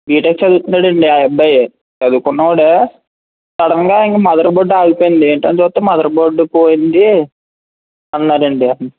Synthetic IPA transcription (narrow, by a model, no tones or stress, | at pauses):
biːʈɐkt͡ʃɐd̪ut̪unːaːɽɐɳɖiajɐbːɐje | t͡ʃɐd̪ukunːɐaːɽe | sɐɽɐŋɡaːiŋkɐmɐd̪ɐɾɐboɖaːɡipoːjind̪ieːɳʈɐnt͡ʃːt̪ːemɐd̪ɐɾɐboːɖːupoːjind̪i | ɐnːaːɾɐɳɖiɐ